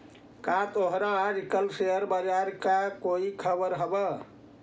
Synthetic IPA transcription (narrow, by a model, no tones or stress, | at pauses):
kat̪oɦɾaːɾikəlseɦəɾbəd͡ʒaɾkakoikʰəbəɾɦəbə